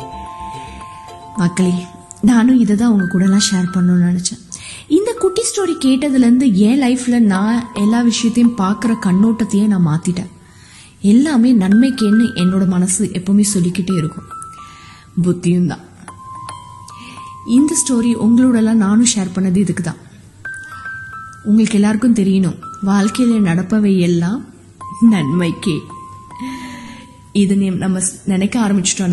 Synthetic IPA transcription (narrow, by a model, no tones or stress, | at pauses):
mɐkːɐɭinaːnʊ̃ɪðɛt̪̬ːãːɐʊŋɡɐkuːɽɐlːãːʂeːɾpɐɳːɯnnɐnɛt͡ʃːɐ̃ | ɪnd̪ɐkʊʈːisʈoːɾikeːʈːɐðɪlɐɾɯnd̪ɯɛ̃ːlɐɪflɐnãːɛlːaːʋɪʂɐjɐt̪ːɐjʊ̃mpaːɾkɯɾɐkɐɳːoːʈːɐt̪ːɐjeːnãːmaːt̪ɪʈːḛ̃ː | ɛlːaːmeːnɐnmɐɪkːeːɯʔɛnːoːɽɐmɐnɐsɯʔɛpːoːmeːsɔlːɪkːɪʈːeːɪɾɯkːʊ̃ | bʊt̪ːɪjɯmd̪ã̰ː | ɪnd̪ɐsʈoːɾiʔʊŋɡɐɭoːɽɐlːãːnaːnʊ̃ʃeːɾpɐɳːɐðɯɪðɯkːɯt̪ã̰ː | ʊŋɡɐɭɯkːɛlːaːɾɯkːɯmt̪ɛɾɪjɐnʊ̃ʋaːlkɐjɐlenɐɽɐpːɐʋeːjɛlːãː | nɐɳmɐɪkːeː | ɪðɯnnɐmːɐnɛnɛkːɐaːɾɐmɪt͡ʃːɪ̥ʈːõn